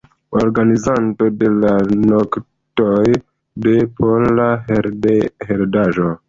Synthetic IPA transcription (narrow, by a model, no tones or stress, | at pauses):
oɾɡanizanto̞de̞lanok | toj | de̞pʰolaheeheɾdaʒo̞